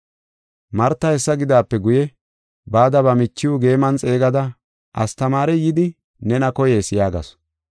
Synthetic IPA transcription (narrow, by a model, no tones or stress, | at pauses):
mɐɾt̪ːɐhɛsːɐɡɪd̪aːpːɛɡʊjɛ | baːd̪ɐbɐmɪt͡ʃːɪʊɡe̞ːmɐnt͡sʼe̞ːɡɐd̪ɐ | ʔɐst̪ɐmaːɾɛjɪd̪ɪ | nɛnɐkɔjeːsɪjaːɡɐ̰s